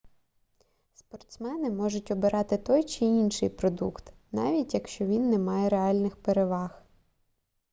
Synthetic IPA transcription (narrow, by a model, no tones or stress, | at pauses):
spɔrt̪smɛnɪmɔʒʊtʲɔbɪɾʔɑt̪ɪt̪ɔjt͡ʃɪinʃɪjpɾɔd̪ukt̪ | nɑ̰ʋʲitʲjɐkʃt͡ʃɔʋʲinːɛmɑjɛɾeɑlʲnɪxpeɾeʋɑx